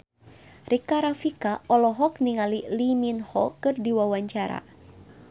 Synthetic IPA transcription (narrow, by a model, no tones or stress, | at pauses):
rikaɾafikaɔlɔɦɔk̚niŋaliliminhɔkɨrdiwawaɲt͡ʃaɾa̰